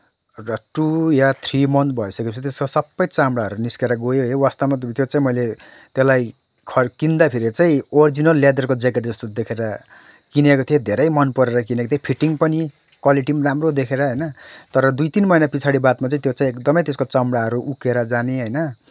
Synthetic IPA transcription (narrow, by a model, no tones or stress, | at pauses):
rʌʈujat̪ʰrimʌnt̪̚bʱʌjsʌkeit͡sʰt̪esosʌbːʌjt͡samɽaɦʌɾuniskeɾʌɡojoɦewast̪ʌmat̪jot͡saĩmʌjle | t̪elaj | kʰʌkind̪apʰiɾit͡saĩord͡zinʌlːad̪ʌrkod͡zekeʈd͡zʌst̪od̪ekʰeɾʌ | kinekot̪ʰijed̪ʱeɾʌjmʌnpʌɾeɾʌk̬inekot̪ʰjepʰiʈiŋpʌni | kwaliʈimramrod̪ekʰeɾʌɦʌjnʌt̪ʌɾʌd̪ujt̪inmʌjnapit͡sʰaɽibat̪mat͡saĩt̪jot͡saĩekd̪ʌmʌjt̪eskot͡sʌmɽaɦʌɾuʔukeɾʌd͡zaneɦʌjnʌ